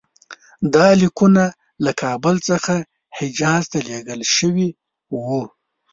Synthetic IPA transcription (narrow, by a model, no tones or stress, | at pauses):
d̪ɑlikuna | lakʰɑbəlt͡səxa | hɪd͡ʒɑzt̪aleɡəlʃəwi | wu